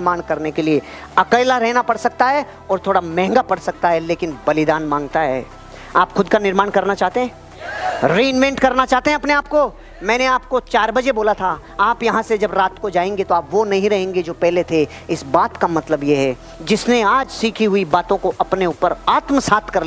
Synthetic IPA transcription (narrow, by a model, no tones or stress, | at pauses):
maːñkɐɾnekelie | ɐkəɪlaɾɛɦnapɐɽsɐk̚t̪aɦɛ | ɔːɾt̪ʰoːɽamɛ̃ːŋɡapɐɽsɐk̚t̪aɦɛleːkɪnbɐlɪd̪aːnmãːŋɡ̚t̪aɦɛ̰ː | aːpxʊd̪kanɪɾmaːɳkɐɾnat͡ʃaːɦt̪eɦɛ̃ː | ɾeːnmɛ̃ɳʈkɐɾnat͡ʃaːɦt̪eɦɛ̃ɐpneaːp̚ko | mɛ̃ːneaːpkot͡ʃaːɾbɐd͡ʒeboːlat̪ʰa | aːpjɐɦãsed͡ʒɐbɾaːt̪kod͡ʒaːẽːŋɡet̪oaːpʋonɐɦĩɾɐɦẽːŋɡed͡ʒoːpɛɦlet̪ʰe | ɪsbaːt̪kamɐt̪ləbjeɦɛ | d͡ʒɪsneaːd͡ʒsiːkʰiɦʊibaːt̪õkoʔɐpneuːpəɾaːt̪məsaːt̪ʰkɐɾl